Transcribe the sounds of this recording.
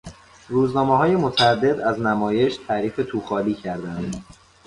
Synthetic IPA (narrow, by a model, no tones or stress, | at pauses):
ruːznɒːmeɦɒːje̞mot̪ʰææd̪ːe̞d̪æznæmɒːje̞ʃt̪ʰæːɾiːfe̞t̪ʰuːxɒːliːcʰæɾd̪ænd̪